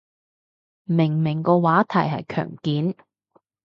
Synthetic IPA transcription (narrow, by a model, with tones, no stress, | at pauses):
mɪ˨˩ŋmɪ˨˩ŋkɔː˧waː˨˥t̪ʰɐ˨˩jɦɐ̰˨jkʰœ̰ː˨˩ŋkiː˨˥n